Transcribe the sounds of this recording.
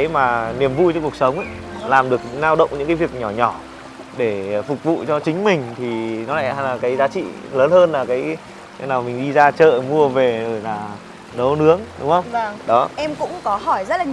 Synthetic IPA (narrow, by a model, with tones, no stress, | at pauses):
jmaː˨˩ni˨˩əmvṵ˧jt͡ɕɔ˧ku˨˩ək̚sə˨˦wŋ͡mʔə˨˦jlaː˨˩mɗɨ˨˩ək̚naː˧wɗə̰˧˨wŋ͡mɲɨ̰˧˥ŋkaː˨˦vi˨˩ək̚ɲɔ˧˩ɲɔ˧˩ | ɗe˧˩fʊ˨˩k͡p̚vṵ˧˨t͡ɕɔ˧t͡ɕï˨˦ŋ̟mï˨˩ŋ̟t̪ʰi˨˩nɔ˨˦la̰ː˧˥˩a˧laː˨˩kaː˨˦jzaː˨˦t͡ɕḭ˧˨ləː˨˦nhəː˧nlaː˨˩kaː˨˦j | naː˨˩wmï˨˩ŋ̟ɗi˧zaː˧t͡ɕə̰ː˧˨mu˧əve˨˩zo˧˩jlaː˨˩ | nə˨˦wnɨ˨˦əŋɗʊ̰˨˦ŋ͡mxə˧wŋ͡mɗɔ˨˦ʔɛ˧mkʊ̰˧˥ŋ͡mkɔ˨˦ɦɔ˧˩jzə˦˥t̚laː˨